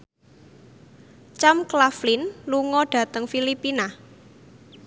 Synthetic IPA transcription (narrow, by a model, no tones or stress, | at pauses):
t͡ʃamklaflinluŋɔɖ̥ä̤t̪əŋfilipina